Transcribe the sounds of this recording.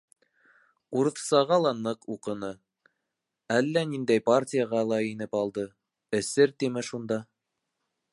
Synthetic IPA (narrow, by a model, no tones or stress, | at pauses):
uɾɤ̆θsɑʁɑlˠɑnɤquqɤ̆nɤ | ælːænind̪æjparʲtʲijəʁɑlˠɑinɘpɑlˠd̪ɤ | ɘ̆sɘɾt̪imɘʃund̪ɑ